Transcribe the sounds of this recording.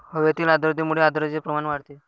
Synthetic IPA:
həʋet̪iːlad̪ɾd̪imuɽead̪ɾd͡ʑepɾəmanʋaɽt̪e

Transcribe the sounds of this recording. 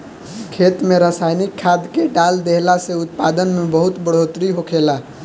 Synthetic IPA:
kʰeːt̪mẽɾaːsaːɪnikʰːaːd̪keɖaːld̪eɦlaseʊt̪̚pad̪ənmẽbəɦʊt̪bəɽ̤ot̪ɾiɦokʰeːla

